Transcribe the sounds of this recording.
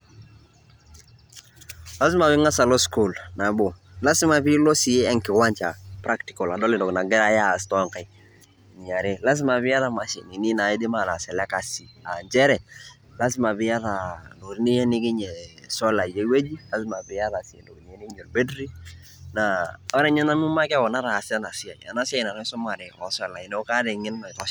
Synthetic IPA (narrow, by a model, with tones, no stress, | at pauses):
la˦s̬ɪ˦ma˨bɪ˦ŋa˦sa˨lo˦sku˦˨lna˨bo˨ | la˦sɪ˦ma˨pɪ˦lɔ˦si˨e˦ɛ˦ŋkɪ˨wa˦ɲt͡ʃa̰˨pɾa˦kti˨kɔ˨la˨dɔ˦lɪ˨dɔ˨kna˨ɡɛ˦ɾa˦ja˦˨stɔ˦ŋka˨j | ɲa˨ɾe˦la˦s̬ɪ˦ma˨pɪ˦a˦ða˨ma˨ʃḭ˨ni˨ni˦na˨ɪ˦dɪ˦ma˨na˨sɛ˨lɛ˦ka˨si˨a˨nd͡ʒɛ˦ɾɛ˨ | la˦s̬ɪ˦ma˨bɪ˨ja˦ða˨ndo˨ɾni˦jɛ˦nɪ˦kɪ˦ɲɛ˨sɔ˦la˨je˦we˦d͡ʒi˦la˦sɪ˦ma˨bɪ˨ja˦ða˨si˨ḛ˨ndo˨kni˨jɛ˦nɪ˦kɪ˦ɲo˨ɾbe˦dɾi˦ | na˨ɔ˦ɾɛ˦ɲɛ˦na˦mu˦ma˦kɛ˦wɔ˨na˦ɾa˨sɛ˦na˨sɪ˦a˨ɲa̰˨na˦sɪ˦a˦jna˨nɔ˦sʊ˦ma˨ɾɛ˨ɔ˨sɛ˦la˨ɪ˨n˦ka˦dɛ˨ŋɪ˦n˦nɔ˨ɪ˨ta˦